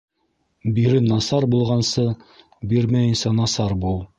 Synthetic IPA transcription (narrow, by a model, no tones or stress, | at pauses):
biɾɘnɑsɑɾbulˠʁɑnsɤ | biɾmæjɘ̆nsænɑsɑɾbulˠ